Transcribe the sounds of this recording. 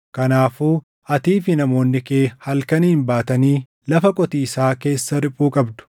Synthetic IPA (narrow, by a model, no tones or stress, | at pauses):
kɐnaːfuː | ɐt̪iːfɪnɐmo̞ːnːɪkeːhɐlkɐniːɪmbaːt̪ɐniː | lɐfɐkʼɔt̪iːsaːke̞ːsːɐɾɪpʼːuːkʼɐbd̪ʊ̥